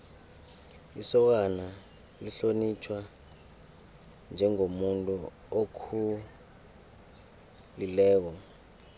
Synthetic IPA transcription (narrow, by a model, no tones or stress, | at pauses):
isɔk̬ana | liɬonit͡ʃʰwa | nd͡ʒʱɛŋomuntʼu | okʰu | lilɛːk̬ɔ